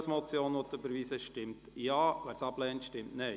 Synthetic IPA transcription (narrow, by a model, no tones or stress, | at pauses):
smɔt͡sjoːnʋɔt̪bəɾʋiːsəʃtɪmtjɑːʋæːɾsɑblɛːnt̪ʃtɪmtnɛɪ